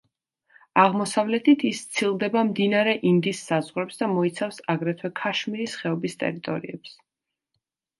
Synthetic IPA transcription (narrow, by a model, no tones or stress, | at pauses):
aʁmɔsavlɛt̪ʰit̪ʰist̪sʰilˠd̪ɛbamd̪inaɾɛʔind̪isːazʁɾɛpsd̪amɔit̪sʰafsaɡɾɛt̪ʰwɛkʰaʃmiɾisχɛɔbist̪ʼɛ̰ɾit̪ʼɔɾiɛps